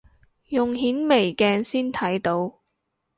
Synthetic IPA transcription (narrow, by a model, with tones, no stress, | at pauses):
jʊ˨ŋɦiː˨˥nme˨˩jkɛː˧nsiː˥nt̪ʰɐ˨˥jt̪o˧w